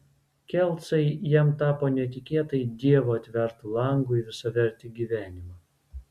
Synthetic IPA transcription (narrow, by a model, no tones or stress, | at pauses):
kʲɛlˠt̪sɐɪjɛmt̪ɑːpoːnʲɛt̪ʲɪkʲeːt̪ɐɪd̪ʲiɛʋoɐt̪ʲʋʲɛɾt̪ʊlˠɐˑŋɡʊiʋʲɪsɐʋʲɛɾʲt̪ʲɪɡʲiʋʲæːnʲɪmɑ